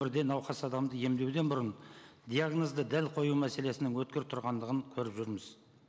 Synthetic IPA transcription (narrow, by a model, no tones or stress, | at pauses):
ɪɾd̪e̞nɑwχɑsɑd̪ɑmd̪əje̞md̪e̞wd̪e̞nbʊɾənd̪ijaɡnozd̪əd̪ælqʰo̞jumæse̞le̞sɪnɪŋwɵt̪̚kʲeɾɪp̚t̪ʰʊɾʁɑnd̪əʁəŋkʲʰɵɾɪpʒʏɾmɪz̥